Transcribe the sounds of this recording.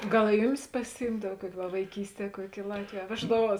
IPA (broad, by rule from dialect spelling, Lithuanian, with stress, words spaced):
ˈɡɐlˠ ɪ ˈjʊˌmʲɪs pɐsʲɪˈjiːmdɐw ˈkuɔkʲɪ ʋɐ ʋɐɪˈkʲiːsʲˌtʲiɛ ˈkuɔkʲɪ ɪ ˈlˠɑːtʲʋʲeːj ɐ ˈʋʲæːʒdɐˌʋuɔs